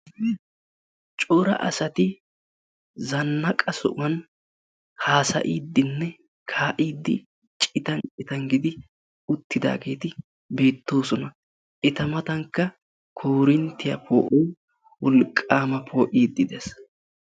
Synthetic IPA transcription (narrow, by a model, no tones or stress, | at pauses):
t͡ʃʼɔɾɐ̰ʔɐ̰sɐt̪ɪ | zɐnːɐkʼɐsɔ̰ʔʊɐn | haːsɐ̰ʔiːd̪ːɪnːɛ | kʰaːʔiːd̪ːɪ̰ | t͡ʃʼɪt̪ɐnt͡ʃʼɪt̪ɐŋɡɪd̪ɪ | ʊt̪ːɪd̪a̰ːɡe̞ːt̪ɪ | be̞ːt̪ːo̞ːsɔnɐ | ʔɪt̪ɐmɐt̪ɐŋkːɐ | kʰoːɾɪnt̪ːɪjɐ̰pʰo̰ːʔɔj | wɔlkʼːaːmɐpʰo̞ːʔiːd̪ːɪd̪ɛs